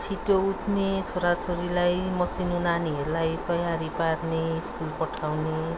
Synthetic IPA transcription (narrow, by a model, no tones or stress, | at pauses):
t͡sʰiʈout̪ʰnet͡sʰoɾat͡sʰoɾilajmʌsinunaniɦʌɾulajt̪ʌjaɾiparneiskulpʌʈʰawne